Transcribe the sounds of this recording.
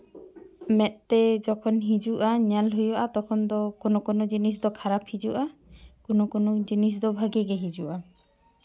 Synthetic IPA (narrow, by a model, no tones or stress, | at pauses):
mɛt̪̚t̪ɛd͡ʒɔkʰɔnɦid͡ʒuʔaɲalɦujɔʔat̪ɔkʰɔnd̪ɔkɔnɔkɔnɔd͡ʒinis̬d̪ɔkʰaɾapʰhid͡ʒuʔakɔnɔkɔnɔd͡ʒinis̬d̪ɔbʱaɡɛɡɛɦid͡ʒuʔa